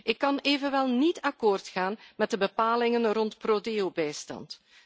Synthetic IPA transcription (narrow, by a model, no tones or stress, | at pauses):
ʔɪkːɑneːvənʋɛlˠnitɑkoːrtxaːnmɛt̚dəbəpaːlɪŋənrɔntproːdeːobɛjstɑ̰nt